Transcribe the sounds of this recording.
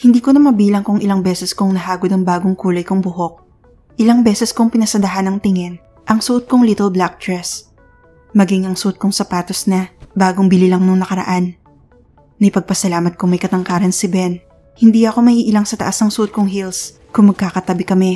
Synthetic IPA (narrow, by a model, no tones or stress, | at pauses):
hɪnd̪iːkonɐmɐbiːlɐŋkʊŋʔɪlɐŋbɛːsɛskʊŋnɐɦaːɡod̪ɐŋbaːɡoŋkuːlɐjkʊŋbʊɦo̞k̚ | ʔɪlaŋbɛːsɛskʊŋpɪnɐsɐd̪ɐɦanɐŋt̪ɪŋɛn | ʔɐŋsʊʔod̪̚koŋlit̪ɛlblak̚d̪ɹɛs | mɐɡiŋɐŋsud̪̚koŋsɐpaːt̪osnɐbaːɡoŋbɪlilɐŋnʊŋnɐkɐɾɐ̰ʔanː | ɐjpɐɡ̚pɐsɐlaːmɐt̪̚kʊŋmɐjkɐt̪ɐŋkaːɾɐnsɪbɛn | hɪnd̪iɐko̞mɐhiːʔɪlaŋsɐt̪ɐ̰ʔasnɐŋsud̪̚kʊŋɦils | kʊŋmɐɡ̚kaːkɐt̪ɐbɪkɐmɛ